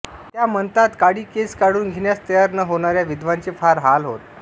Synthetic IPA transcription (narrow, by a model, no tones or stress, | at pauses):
t̪jamənt̪at̪kaɽiːkeskaɽuːnɡʱiɳjast̪əjaɾnəɦoɽ̃aɾjaʋid̪ʋant͡sefaɾɦalɦot̪